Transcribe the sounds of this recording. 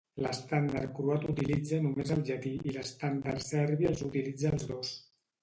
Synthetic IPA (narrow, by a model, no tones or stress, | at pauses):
ləst̪and̪aɾ̚kɾuat̪ut̪ilid͡zənumezəlˠʒət̪iiləst̪and̪aɾsɛɾβiəlˠzut̪ilid͡zəːlzðos